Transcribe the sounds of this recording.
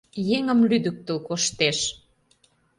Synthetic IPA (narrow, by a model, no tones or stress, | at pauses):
jeŋə̆mlyd̪ək̚t̪ə̆lkoʃt̪eʃ